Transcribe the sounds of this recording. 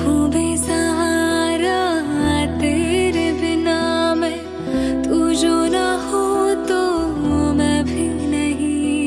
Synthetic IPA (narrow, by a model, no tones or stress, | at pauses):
ɦubesaɦaɾa | t̪eːɾebɪnamẽ | t̪ud͡ʒonahot̪o | mɛ̃bʱi | nɐɦĩ